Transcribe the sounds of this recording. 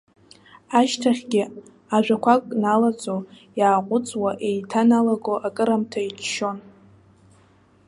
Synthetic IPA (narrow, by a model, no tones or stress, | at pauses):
aʃtʰaχʲɡʲɪ | aʒʷᶣakʷʰakʷʼnalat͡sʼo | jaːqʷʼʊt͡sʼwaʔejtʰanalaɡoʔakʼɨɾamtʰait͡ʃʰʃo̞n